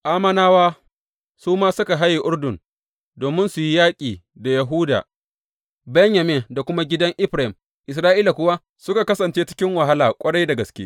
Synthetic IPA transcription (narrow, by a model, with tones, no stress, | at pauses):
ʔaː˦mɐ˦naː˦waː˦ | suː˦maː˦sʊ˦ka˨ɦa˦jːi˨ʔʊ˦rdʊ˨n | doː˨mɪ˦nsʊ˨ji˦jaː˦kʲʼiː˨ | da˨jɐ˨ɦu˦da̰ː˨ | bɛ˦ɲjɐ˨meː˨da˨kʷʊ˦ma˦ɡʲɪ˦dɐ˦ŋʔɪ˦ɸɾa˨hɪ˨m | ʔɪ˨s̬ɾaː˦ʔiː˦la˨kʷʊ˦wa˦ | sʊ˦ka˨kɐ˦sɐ˨nt͡ʃeː˦t͡ʃɪ̥˦kʲɪ˦ŋwa˨ɦa˦laː˨kʷʼɐ˦ɽa˦jda˨ɡɐ˨skʲḛ˦